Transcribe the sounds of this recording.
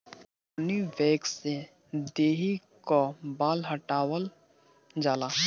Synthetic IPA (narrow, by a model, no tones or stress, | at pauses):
niʋɛːkse | d̪eːɦi | kobaːlɦəʈaːwəl | d͡ʒaːlaː